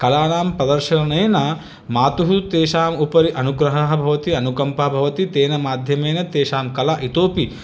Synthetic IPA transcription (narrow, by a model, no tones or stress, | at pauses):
kɐlaːnaːmpɾɐd̪ɐɾʃɐnɐneːnɐ | maːt̪uɦut̪eːʃaːmupɐɾiʔɐnuɡɾɐɦɐɦɐbʱɐʋɐt̪iɐnukɐmpɐɐbʱɐʋɐt̪it̪eːnɐmaːd̪ʱjɐmeːnɐt̪eːʃaːmkɐlaʔit̪oːpi